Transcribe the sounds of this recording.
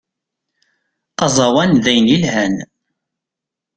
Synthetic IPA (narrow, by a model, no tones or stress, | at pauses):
ɑzˤɑwænðæjnilhæn